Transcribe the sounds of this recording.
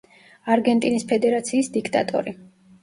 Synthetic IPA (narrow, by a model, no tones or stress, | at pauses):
aɾɡɛnt̪ʼinispʰɛd̪ɛɾat̪sʰiːsd̪ikʰt̪ʼa̰t̪ʼɔ̰ɾi